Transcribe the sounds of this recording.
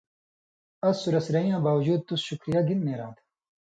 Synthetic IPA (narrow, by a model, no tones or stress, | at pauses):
ɐzsuɾɐsiɾɐĩjãːbaːwɐd͡ʑuːd̪̚t̪usɕukɾijaɡinmeːɾãːt̪ʰ